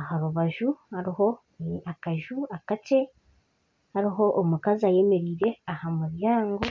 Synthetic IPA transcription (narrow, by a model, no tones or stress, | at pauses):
ahaβuβaʒuhaɾiho̞ | akaʒuakat͡ʃe̞ | haɾiɦo̞ʔːmukazaje̞me̞ɾiːɾe̞ahamuβjaːŋɡo̞